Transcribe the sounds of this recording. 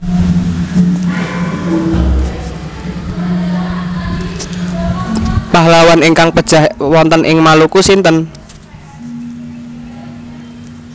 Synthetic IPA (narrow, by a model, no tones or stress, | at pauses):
pahlawaniŋkaŋpə̥ʒ̥a̤hwɔnt̪ənʔɪŋmalukusint̪ən